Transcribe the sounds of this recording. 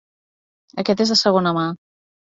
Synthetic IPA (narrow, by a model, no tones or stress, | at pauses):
əkɛt̪ezðəsəɣ̞onəma